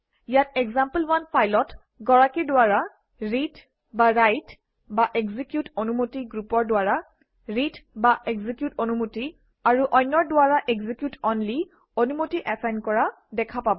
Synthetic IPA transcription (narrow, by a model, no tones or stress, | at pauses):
jatɛɡzampəlwanpʰajlɔt | ɡɔɹakidʊaɹa | ɹit | baɹajt | baʔeɡzikjutonumotiɡɹupɔɹdʊaɹa | ɹitbaeɡzikjutonumoti | aɹuʔɔjnːɔɹdʊaɹaʔeɡzikjutɔnli | onumotiʔɛsajnkɔɹa | dɛkʰapabɔ